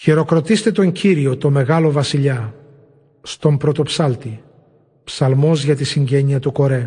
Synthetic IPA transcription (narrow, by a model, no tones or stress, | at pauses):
çiɾo̞kɾo̞t̪ist̪e̞t̪o̞ɲciɾio̞t̪o̞me̞ɣɐlo̞vɐsiʎɐ | st̪o̞mpɾo̞t̪o̞psɐlt̪i | psɐlmo̞zʝɐt̪isiɲɟe̞ɲiɐt̪uko̞ɾe̞